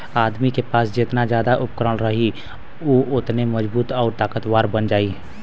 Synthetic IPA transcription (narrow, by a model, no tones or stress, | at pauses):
aːd̪mikepaːsd͡ʒɪt̪nad͡ʒjaːd̪aʔʊp̚kɾəɽɾəɦi | oʔʊt̪neməd͡ʒbuːt̪ɔːɾt̪aːkət̪waːɾbənd͡ʒaːiː